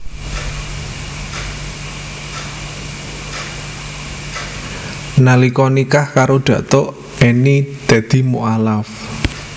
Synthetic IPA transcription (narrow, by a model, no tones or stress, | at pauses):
nalikɔnikahkaɾoɖ̪̥ä̤ʔt̪o | ɛnid̪̥a̤d̪̥i̤muʔalaf